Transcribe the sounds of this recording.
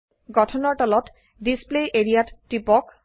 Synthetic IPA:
ɡɔtʰɔnɔɹʈɔlɔt | displejʔeɹijatːipɔk

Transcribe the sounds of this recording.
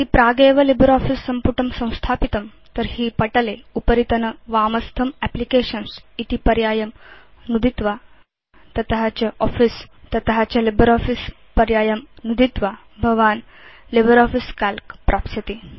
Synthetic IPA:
t̪ipɾaɡeʋəlibəɾɔfisːəmpuʈʰəmsə̃w̃st̪ʰapit̪əm | t̪əɾhiːpɐʈəleupəɾit̪ənəʋaməst̪ʰəmɛplikeɕənsit̪ipɐɾjajəmnud̪ʱit̪ʋa | t̪ɐt̪ɦat͡ɕaʔɔfis | t̪ɐt̪ɦat͡ɕjalibəɾɔfis | pɐɾjajəmnud̪ʱit̪ʋa | bʱəʋaːn | libəɾɔfiskalkpɾʔapsət̪i

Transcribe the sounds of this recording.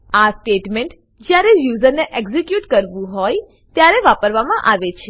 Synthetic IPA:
asʈeʈmeɳʈ | d͡ʒjaɾejuzəɾneʔɛɡzikjuʈkəɾʋũɦɔj | t̪jaɾeʋapəɾʋamãʔaʋet͡ʃʰe

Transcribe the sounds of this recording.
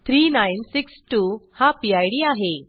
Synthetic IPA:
t̪ʰɾiːnajnsiksʈuhapiajɽiːaɦe

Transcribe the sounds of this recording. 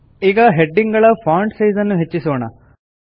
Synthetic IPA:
iɡɐɦeɖːiŋɡɐɭɐpʰaːɳɖsijzɐnːuɦet͡ʃːisoːɳɐ̰

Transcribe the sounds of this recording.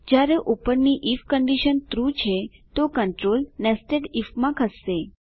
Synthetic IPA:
d͡ʒjaɾeʔupəɾniʔifkəɳɖiʃənt̪ɾut͡ʃʰet̪okəɳʈɾolnesʈeɖifmãkʰəsːe

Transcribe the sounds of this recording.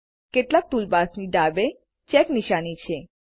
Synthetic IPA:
keʈlak̚t̪ulbasniɖ̪abe | t͡ʃɛkniʃanit͡ʃʰe

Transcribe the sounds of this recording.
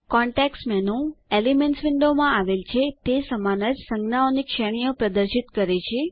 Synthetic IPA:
kɔ̃ɳʈeksmɛnũelimɛnsʋɪɳɖomãaʋelt͡ʃʰet̪esəmanəd͡ʒsəŋɡnaonikʃeɽ̃ijopɾəd̪əɾʃit̪kəɾet͡ʃʰe

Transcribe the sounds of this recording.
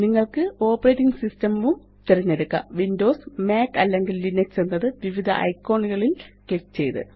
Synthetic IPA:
niŋːɐɭkɨo̞ːpːɐreːtːiŋɡsistɐmu | t̪eɾɐɲːeɾukːɐ̰ʋindo̞ːsmeːkɐlːe̞ŋɡilːineksenːɐðɨʋiʋid̪ʱɐ̰ʔɐ̰jkːo̞ːɳiɣɐɭilkekːt͡ɕe̞jt̪ɨ̰

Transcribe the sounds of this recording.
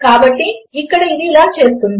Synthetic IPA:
kaːbɐʈːiɪkːɐɽeɪzilaːt͡ʃeːst̪ɯm

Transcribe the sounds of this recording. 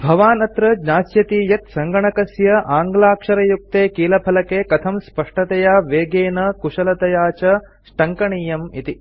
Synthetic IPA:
bʱɐʋaːnɐt̪ɾɐd͡ʒɲaːsjɐt̪iːjɐt̪sɐŋɡɐɳɐkɐsjɐʔaːŋɡlaːkʂɐɾɐjuk̚t̪eːkiːlɐpʰɐlɐkeːkɐt̪ʰɐmspɐʂʈɐt̪ɐjaːʋeːɡeːnɐkuʂɐlɐt̪ɐjaːt͡ʃɐ | ʃʈɐŋkɐɳiːjɐmḭt̪i

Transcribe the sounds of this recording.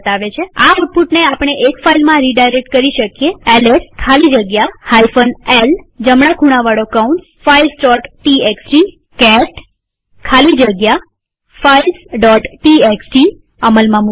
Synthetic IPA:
t̪aʋet͡ʃʰea̰uʈ̚puʈneapəɽ̃eʔekfailmãɾiɖajɾek̚ʈ̚kəɾiʃəkijeɛleskʰalid͡ʒəɡjahajfənel | d͡ʒəmɽakʰuɽ̃aʋaɽokaunʈsfailsʈɔʈʈieksʈi | kɛʈ | kʰalid͡ʒəɡja | failsɖɔʈʈieksʈi | əməlmãmu

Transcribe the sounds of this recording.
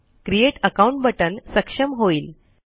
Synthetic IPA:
kɾieʈəkaũɳʈbəʈənsəkʂəmɦoiːl

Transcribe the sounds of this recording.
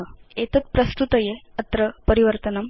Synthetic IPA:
et̪ɐt̪̚pɾɐst̪ut̪əjeɐt̪ɾəpəɾiʋəɾt̪ənɐm

